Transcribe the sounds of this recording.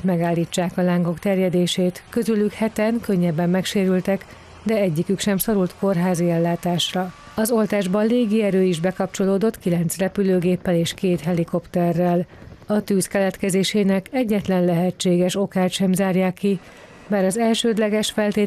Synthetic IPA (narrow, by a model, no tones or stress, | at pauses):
t̪mɛɡaːlːiːt͡ʃːaːkɒlaːŋɡo̞kt̪ɛrjɛd̪eːʃeːt̪køzylykhɛt̪ɛŋkøɲːɛbːɛmːɛkʃeːɾylt̪ɛk | d̪ɛɛɟːikykʃɛmso̞ɾult̪ko̞rɦaːziɛlːaːt̪aːʃrɒ | ɒzo̞lt̪aːʒbɒleːɡiɛɾøːiʒbɛkɒp̚t͡ʃo̞loːd̪o̞t̪kilɛnt̪srɛpyløːɡeːpːɛleːʃkeːt̪ɦɛliko̞pt̪ɛrːɛlɒt̪yːskɛlɛt̪kɛzeːʃeːnɛkɛɟːɛt̪lɛnlɛɦɛt͡ʃːeːɡɛʃo̞kaːt̪ʃɛmzaːrjaːkːi | baːɾɒzɛlʃøːd̪lɛɡɛʃfɛlt̪eː